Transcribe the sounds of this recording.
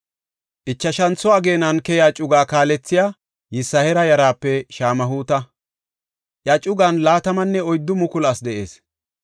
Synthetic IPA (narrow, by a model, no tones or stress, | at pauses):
ʔɪt͡ʃːɐʃɐnt͡sːʊwaːɡe̞ːnɐnkɛjaːt͡ʃʼʊɡaːkaːlɛt͡sːɪjaː | jɪsːɐhɛɾɐjɐɾaːpːɛʃaːmɐɦuːt̪ɐ | ʔjɐt͡ʃʼʊɡɐnlaːt̪ɐmɐnːɛɔjd̪ːʊmʊkʊlɐsd̪ɛʔe̞̰ːs